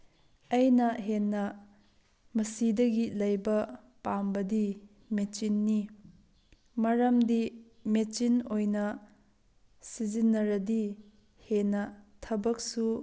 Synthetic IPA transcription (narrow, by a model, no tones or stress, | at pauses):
ɐjnɐɦenːɐ | mɐsidɐɡilɐjbɐ | pambɐdi | met͡ʃinːi | mɐɾɐmdi | met͡ʃinojnɐ | sizinːɐɾɐdi | henːɐtʰɐbɐk̚su